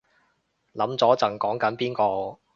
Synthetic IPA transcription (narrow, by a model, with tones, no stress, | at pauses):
lɐ˨˥mt͡sɔː˨˥t͡sɐ˨˩ŋkɔː˨˥ŋkɐ˨˥npiː˥nkɔː˧